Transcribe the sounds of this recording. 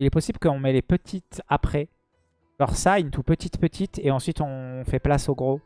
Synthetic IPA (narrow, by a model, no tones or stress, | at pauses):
ilɛpɔsibləkəɔ̃mɛlepət̪ʰit̪apχɛ | ɔʁsaynt̪upət̪it̪pət̪ʰit̪eɑ̃sɥit̪ɔ̃fɛplasoɡʁo